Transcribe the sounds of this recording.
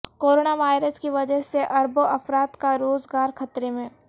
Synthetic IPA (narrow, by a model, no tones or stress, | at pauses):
koːɾoːnaʋaːɪɾəskiʋɐd͡ʒəɦseʔɐɾboʔɐfɾaːt̪kaɾoːzɡaːɾxʰɐt̪ɾemẽː